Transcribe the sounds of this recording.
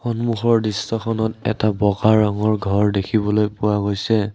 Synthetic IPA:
xɔnmuxɔɹdistɔxʰɔnɔtɛ̰tabɔɡaɹaŋɔɹɡʱɔɹdekʰibɔlojpuwaɡojsɛ

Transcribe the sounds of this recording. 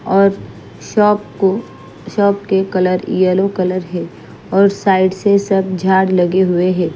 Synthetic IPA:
ɔːɾ | ɔːpo | ʃɔːp̚kekɐləɾḭjəlõkɐləɾɦɛ̃ː | ɔːɾsaːɪɖsesɐb̚ʱd͡ʒʱaːɽlɐɡeɦʊeɦɛ̃ː

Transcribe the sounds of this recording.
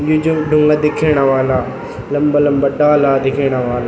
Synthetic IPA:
d͡ʒud͡ʒuɖʱʊŋɡad̪ɪkʰeːɽ̃aʋaːlaː | lɐmbalɐmbaɖaːlaːd̪ɪkʰeːɽ̃aʋaːla

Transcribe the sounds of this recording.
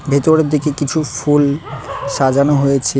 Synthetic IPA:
bʱet̪oɾeɾd̪ikekit͡ɕʰufulʃad͡ʑanoɦojet͡ɕʰe

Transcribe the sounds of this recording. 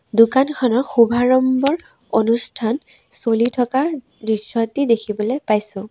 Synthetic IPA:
dukankʰɔnɔɹxubʱaɹɔmbɔɹ | onustʰan | solitʰɔkaɹ | disɔtidekʰibɔlejpajsʊ̃

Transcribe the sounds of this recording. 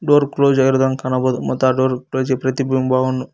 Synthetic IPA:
ɖoːɾkloːd͡ʒɐjɾud̪ɐŋkɐnɐbod̪umɔ̰t̪ːaɖoːɾkloːd͡ʒepɾɐt̪ibimbʱaːɡunːu

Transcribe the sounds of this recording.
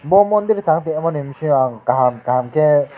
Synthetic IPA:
mbɔmɔnd̪iɾt̪aŋt̪emɔnemsĩaŋkaɦamkaɦamkʰe

